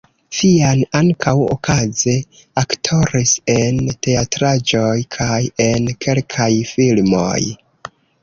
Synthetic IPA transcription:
fianaŋkʰawo̰kʰaze | aktʰo̞ɾise̞nte̞atɾad͡ʒo̞jkʰaje̞nkʰe̞lkʰajfilmo̞̰j

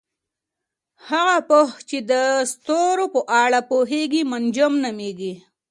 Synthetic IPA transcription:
haɣapoht͡ʃed̪əst̪oɾopəʔɑɽapoɦeɡimand͡ʒəmnameɡi

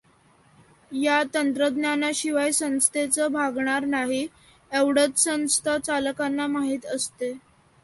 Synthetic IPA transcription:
jat̪ənt̪ɾəd̪njanaɕiʋajsə̃ñst̪ʰet͡səbʱaɡɳ̃aɾnaɦi | eʋɽət̪sə̃ñst̪ʰat͡salkanːamaɦiːt̪əst̪e

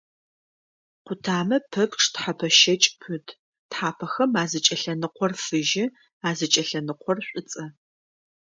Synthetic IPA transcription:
qʷʊtʰaːmɐpʰɐpʈ͡ʂʰʼtħapʰɐʃɐt͡ʃʼpʰɨdʰ | tħaːpʰɐxɐmaːzɐt͡ʃʼɐɬɐnɨqʷʰɔrfɨʒɪ | aːzɨt͡ʃʼɐɬɐnɨqʷʰɔrɕʷʼɪt͡sʼɐ

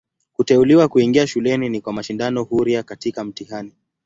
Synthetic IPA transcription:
kutɛuliwakuiŋɡiaʃulɛninikwamaʃindanɔhuɾiakatikam̩tihani

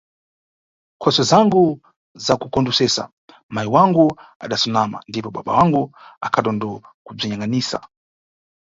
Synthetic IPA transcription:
kʰɔsɔzaŋɡu | zakukɔndusɛsa̰ | maiwaŋɡua̰ɗasunama̰ndipɔɓa̰ɓa̰waŋɡuakʰaɗɔndɔkub͡ʐiɲaŋɡaniːsa̰

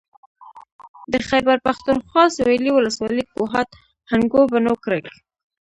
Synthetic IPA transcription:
d̪əxajbaɾpaxt̪unxwɑsweliwʊləswɑlikoɦat̪ | haŋɡobanokɾak

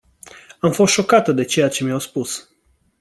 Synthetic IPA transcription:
amfo̞st̪ʃo̞kat̪əd̪e̞t͡ʃe̞jat͡ʃe̞miawspus

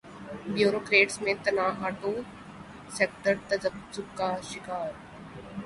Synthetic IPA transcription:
bjuːɾoːkɾeːʈsmẽt̪ɐnaːɦaːʈõː | seːk̚ʈəɾt̪ɐd͡ʒəpt͡ʃʊkːaʃɪkaːɾ

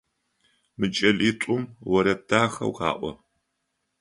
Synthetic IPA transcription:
mɨt͡ʃʼɐɮiːtʷʼʊmwɐɾɐd̥aːxɐ̰wqɑ̰ːʔʷɔ̰

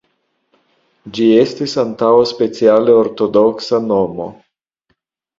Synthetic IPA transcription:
d͡ʒie̞stisant̪awaspe̞t͡sialeoɾt̪o̞doksano̞mo̰

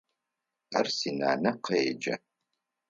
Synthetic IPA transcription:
ɐrsina̰ːnɐqɐed͡ʒɐ̰

